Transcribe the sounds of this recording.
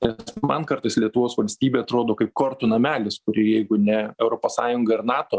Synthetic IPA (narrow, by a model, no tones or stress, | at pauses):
nʲɛsmɐnkɐɾt̪ɐɪslʲiɛt̪ʊʋoːsʋɐlʲsʲt̪ʲiːbʲeːɐt̪ɾoːd̪oːkɐɪp̚koːɾt̪ʊnɐmʲæːlʲɪskʊɾʲɪjɛɪɡʊnʲɛɛʊɾoːpoːssɑːjʊŋɡɐɪɾnɑːt̪oː